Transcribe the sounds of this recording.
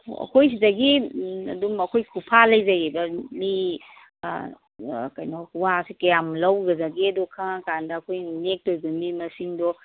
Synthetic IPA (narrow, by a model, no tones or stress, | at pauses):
ɐ̰kʰojs̬idɐɡiɐ̰dumɐkʰojkʰupʰalɐjzɐɡebɐmḭ | kɐjnɔkwasikɐjamlɐwɡɐzaɡeɐdɔkʰãkandɐːkʰojnek̚tojbɐmimɐsiŋdɔ